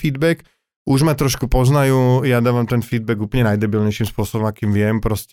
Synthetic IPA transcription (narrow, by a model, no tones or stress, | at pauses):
fiːd̪bɛk | uʒmat̪ɾɔʃkupɔznajuːjad̪aːʋamt̪ɛnfiːd̪bɛɡuːplɲɛnajd̪ɛbilɲɛjʃimspʊɔsɔbɔmakiːmʋɪɛmpɾɔsc